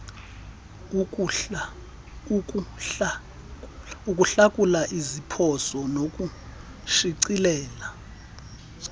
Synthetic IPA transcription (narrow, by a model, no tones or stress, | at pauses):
ukʼuɬakʼulaʔizipʰɔsɔnokʼu | ʃiǀilɛːla